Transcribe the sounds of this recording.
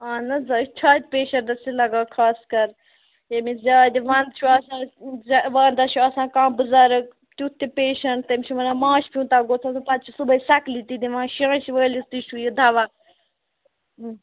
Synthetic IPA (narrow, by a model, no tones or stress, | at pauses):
ãːnɐzaːt͡ʃʰaːd̪̚ʲpeːʃɐnd̪ɐsilɐɡaːkʰaːskɐɾ | jemizʲaːd̪ʲiʋɐnd̪t͡ʃʰuɐsãːzaʋand̪at͡ʃʰuɐsãːkãːbɨzaːɾɐk̚ | t̪ʲuːt̪ʰːipeːʃɐɳʈ̚t̪ɐmt͡ʃʰumɐnãːmãːʃpʰiũːt̪aːɡoːt͡sʰãsupɐt̪̚t͡ʃʰisubɐisɐklit̪id̪iʋãːʃiãːʃiʋəːlist̪it͡ʃʰujid̪ʱɐʋaː